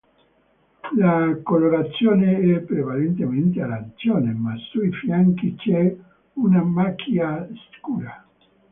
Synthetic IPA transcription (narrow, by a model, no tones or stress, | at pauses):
lakoloɾat̪sjoːneɛpːɾevalent̪ement̪ealant̪sjoːnemasujfjaŋkit͡ʃɛ | unamakʰjaskuːɾa